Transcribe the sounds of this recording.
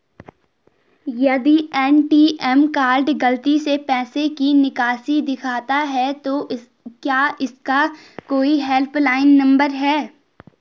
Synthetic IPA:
jɐd̪iɛːnʈiʔɛmkaːɾɖɡɐlt̪isepɛːsekinɪkaːsid̪ɪkʰaːt̪aɦɛt̪o | kjaːɪskakoːiɦɛlpʰlaːɪnːɐ̃mbəɾɦɛː

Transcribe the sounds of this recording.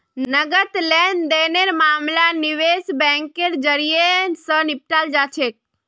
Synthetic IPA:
nəɡət̪lɛnd̪eneɾmaːmlaniʋesbɛ̃ŋkeɾd͡ʒəɾijensənɪp̚ʈald͡ʒat͡ʃʰek̚

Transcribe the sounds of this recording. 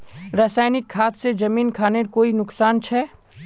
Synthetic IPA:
ɾaːsaːɪnɪkʰːaːt̪sed͡ʒɐmiːnkʰaːneɾkoːinʊksaːnt͡ʃʰɛː

